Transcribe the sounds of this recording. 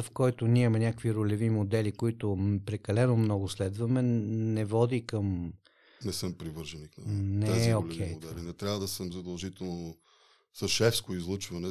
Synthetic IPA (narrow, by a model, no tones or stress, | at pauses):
fkɔjt̪ʊnʲimɛnʲakkviɾʊlɛvimod̪ɛlikoit̪ʊpɾɛkɐlɛnomnɔɡʊslɛd̪vɐmɛnɛvɔd̪ikəm | nɛsəmpɾivɤɾʒɛniknɐnɛɛolkʰɛjoɛlinɛt̪ɾjavəd̪ɐsəmzɐd̪ɐlˠʒit̪ɛlˠno | sɐʃɛfskoizlˠɤt͡ʃvɐnɛ